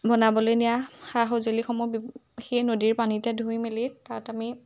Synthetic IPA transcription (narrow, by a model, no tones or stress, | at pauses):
bɔnabɔlojnijaxaɦozelixɔmɔbi | xejnodiɹpanitɛdʱujmelitatami